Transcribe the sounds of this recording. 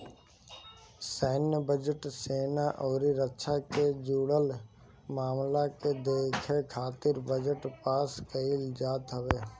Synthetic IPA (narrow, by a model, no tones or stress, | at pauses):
sɛːnəbəd͡ʒəʈseːnaʔɔːɾiɾətːʃʰaked͡ʒuːɽəl | maːmlaked̪eːkʰekʰaːt̪ɪɾbəd͡ʒəʈpaːskəild͡ʒaːt̪ɦəʋeː